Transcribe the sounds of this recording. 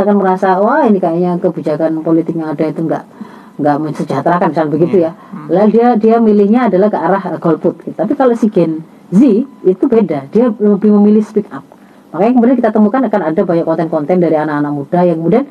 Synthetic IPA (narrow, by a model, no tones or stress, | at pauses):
akanməɾasawainikajaɲakəbid͡ʒakanpolit̪ɪk̚ɲaːdait̪uŋɡa̰ʔ | ŋɡaʔməɲsəd͡ʒat̪ɾakant͡ʃanbəɡit̪ujaladiadiamilɪhɲaːdalahkəaɾahɡ̥ɔlfʊt̪̚kit̪ḁt̪ap̬ikaloʔsiɡɛn | ziit̪ubedad̥iaəbɪhməmilɪhspikap̚ | makajaŋkəmudiankit̪at̪əmukanakanadabaɲakːɔnt̪ɛnkɔnt̪ɛndaɾianakanak̚mudajaŋkəmudian